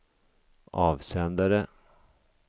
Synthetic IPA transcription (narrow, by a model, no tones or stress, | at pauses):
ɑːvsɛnd̪aɾə